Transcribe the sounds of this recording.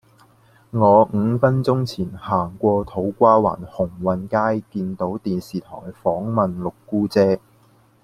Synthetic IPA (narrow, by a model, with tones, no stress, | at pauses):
ŋɔː˨˧ŋ̩ː˨˧fɐ˥nt͡ʃʊ˥ŋt͡sʰiː˨˩nhaː˨˩ŋkʷɔː˧t̪ʰo˨˥wkʷaː˥wa̰ː˨˩nhʊ˨˩ŋwɐ˨nkaː˥jkiː˧nt̪o˨˥wt̪iː˨nsiː˨t̪ʰɔ̰ː˨˩jfɔː˨˥ŋmɐ˨nlʊ˨kːuː˥t͡sɛː˥